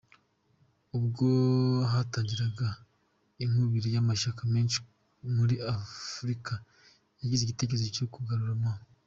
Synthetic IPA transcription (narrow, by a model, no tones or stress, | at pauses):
ubɡoɦataːɲɟiɾaɡa | im̥uβiɾijamaʃakameːnʃi̥ | muɾiafɾika | jaɟizeɟite̞k̬eezicokuɡaɾuɾamwaːo